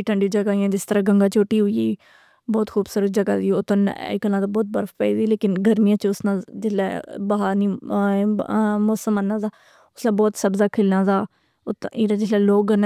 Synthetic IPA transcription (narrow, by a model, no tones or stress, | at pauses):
iʈʰəɳɖid͡ʒəɡaːijãːd͡ʒɪst̪əɾaːɡəŋɡãːt͡ʃoːʈiːɦʊiiː | bɔːt̪kʰuːbsəɾd͡ʒəɡa̰ːd̪iːʊt̪ə̃n̰kəlãːd̪aːbɔːt̪̚bəɾfpɛ̰id̪iːleːkɪnɡəɾmijãːt͡ʃʊsnãːd͡ʒɪslɛːbəɦaːɾniː | mɔːsəmaːnːaːzaː | ʊsnãːbɔːt̪səbzaːkʰɪlnãːzaː | ʊt̪ːiɾãd͡ʒɪslɛːloːkɡəɾnː